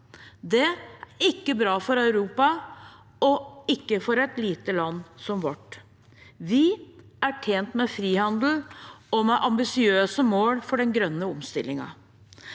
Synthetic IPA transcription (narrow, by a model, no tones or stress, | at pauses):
d̪ɛɪkːəbɾɑːfɔɾɑʉɾuːpɑ | ɔɪkːəfɔɾɛt̪liːt̪əlɑnːsɔmʋɑʈː | ʋɪ | æʈʰeːnt̪mɛfɾiːhɑnd̪l̩ɔmɛʔɑmbɪsɪøːsəmoːlfɔɖɛnɡɾœnːəɔmst̪ɪlːɪŋɑ̰